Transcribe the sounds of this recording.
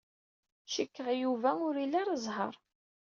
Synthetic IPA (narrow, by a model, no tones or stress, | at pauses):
ʃəkːəʁjuvæʊɾilːaɾəzˤɦə̰ɾˤ